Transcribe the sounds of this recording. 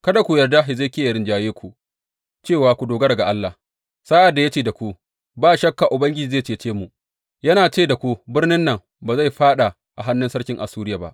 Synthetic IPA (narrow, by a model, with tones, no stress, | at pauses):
kɐ˦da˨kʷu˨jɐ˨rda˦ɦɪ˨ze˦kʲi˦jɐ˨ɾɪ˦nd͡ʒaː˨jeː˦kʷu˨ʔ | t͡ʃeː˦˨waː˨kʷu˨doː˨ɡɐ˦ɽɐ˨ɡa˨ʔa˦lːa˨h | saː˦ʔa˨dːa˨ja˦t͡ʃeː˦˨da˨kʷu˦ | baː˦ʃɐ˦kːa˨ʔʊ˨bɐ˦ŋɡʲɪ˦d͡ʒiː˨zeː˦˨t͡ʃeː˨t͡ʃeː˦mu˨ʔ | jɐ˦naː˨t͡ʃeː˦da˨kʷu˦bɪ˦rnɪ˦nːɐ˨ŋ | ba˨za˦jɸaː˦ɗa˨ | ʔa˨ɦa˦nːɪ˦nsɐ˦ɽkʲɪ˦ŋʔa˨suː˦ɾɪ˦jaː˨ba̰˦ʔ